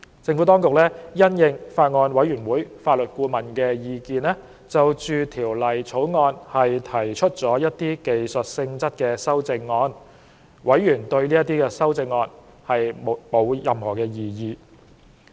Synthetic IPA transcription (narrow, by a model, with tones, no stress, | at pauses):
t͡sɪ˧ŋfu˨˥t̪ɔː˥ŋkʊ˨k̚lɛ˥jɐ˥njɪ˧ŋfaː˧t̚ŋɔː˧nwɐ˨˥jɥyː˨˩nwuː˨˥jfaː˧t̚lɵ˨t̚kuː˧mɐ˨˩nkɛː˧jiː˧kiː˧nlɛ˥ | t͡sɐ˨wt͡ʃyː˨˧t̪ʰiː˨˩wlɐ˨jt͡sʰo˨˥wŋɔː˧nhɐ˨jt̪ʰɐ˨˩jt͡ʃʰɵ˥t̚t͡sɔː˨˥jɐ˥t̚t̪iː˥ke˨jsɵ˨˩t̚sɪ˧ŋt͡sɐ˥t̚kɛː˧sɐ˥wt͡sɪ˧ŋːɔː˧n | wɐ˨˥jɥyː˨˩nt̪ɵ˧ɥliː˥jɐ˥t̪iː˥kɛː˧sɐ˥wt͡sɪ˧ŋːɔː˧n | hɐ˨jmo˨˧wjɐ˨mhɔː˨˩kɛː˧jiː˨jiː˧